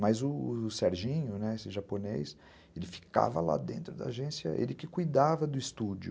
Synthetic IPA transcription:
mɐzʊsɛɾʒĩɲʊnɛesɪʒaponejs | elɪfi̥ka̰vɐ̰la̰d̪ẽnt̪ɾʊd̪ɐaʒẽsiɐ̰ʔḛlɪkɪkujd̪avɐd̪ʊist̪ud͡ʒʊ

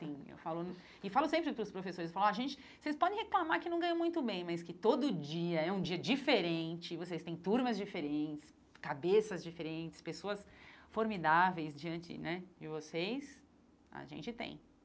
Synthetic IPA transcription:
sĩḛwfalʊn | ɪfalʊsẽmpɾɪpɾʊspɾofesoɾɪsefalʊaʒẽnt͡ʃɪ̥ | sejspɔd̪ẽj̃heklamaɾkɪnɐ̃w̃ɡɐ̃j̃õmũj̃t̪ʊbẽj̃mɐjskɪt̪od̪ʊd͡ʒiɐɛũd͡ʒiɐd͡ʒifeɾẽnt͡ʃɪvosejst̪ẽj̃t̪uɾmɐzd͡ʒifeɾẽnt͡ʃɪ̥s | kabesɐzd͡ʒifeɾẽt͡ʃɪ̥spesoɐsfoɾmid̪avejsd͡ʒiɐ̃nt͡ʃɪ̰nɛd͡ʒɪvosejs | ɐ̰ʒḛ̃nt͡ʃɪt̪ḛ̃j̃

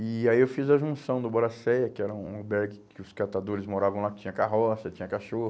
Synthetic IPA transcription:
ɪaiewfizɐʒũsɐ̃w̃d̪ʊboɾasɛjɐkɪɛɾɐũbɛɾɡɪkʰɪʊskat̪ad̪oɾɪzmoɾavɐ̃lakɪ̥t͡ʃĩɲɐkaɦɔsɐt͡ʃĩɲɐkaʃohʊ

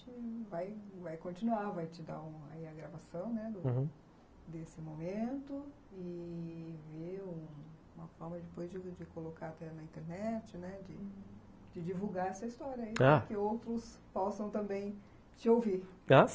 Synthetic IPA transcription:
ɪvajvajkõnt͡ʃinuaɾvajt͡ʃɪd̪a̰ũa̰iɐɡɾavasɐ̃w̃nɛd̪ʊ̃ | d̪esɪmomẽnt̪ʊ | ɪ | veũ | ũmɐfɔɾmɐd͡ʒɪpojzd͡ʒɪd͡ʒɪkolokaat̪ɛnɐĩnt̪eɾnɛt͡ʃɪnɛd͡ʒɪ | d͡ʒɪd͡ʒivuɡaɛsɐist̪ɔɾjɐaiaɐkɪowt̪ɾʊs | pɔsɐ̃w̃t̪ɐ̃mbẽj̃ | t͡ʃɪowviɾ | a

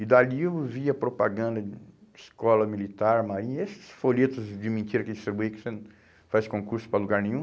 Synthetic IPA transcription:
ɪd̪aliewviɐpɾopaɡɐ̃nd̪ɐiskɔlɐmilit̪aɾmaɾĩɲɐesɪ̥sfoʎet̪ʊzd͡ʒɪmẽnt͡ʃ̪iɾɐkɪd͡ʒist̪ɾibuikoseñ | fajskõkuɾsʊ̥pɾɐluɡaɾnẽɲ̃ũ

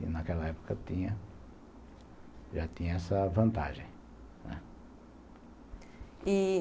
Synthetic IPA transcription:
ɪ̰nakɛlɐɛpo̥kɐt̪ĩɲɐ | ʒat̪ĩɲɐɛsɐvɐ̃nt̪a̰ʒẽj̃ | nɛ̰ | i

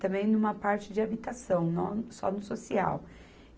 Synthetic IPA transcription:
t̪ɐ̃mbẽj̃nũmɐpaɾt͡ʃɪd͡ʒɪabit̪asɐ̃w̃nɐ̰̃w̃sɔ̰nʊsosia̰w

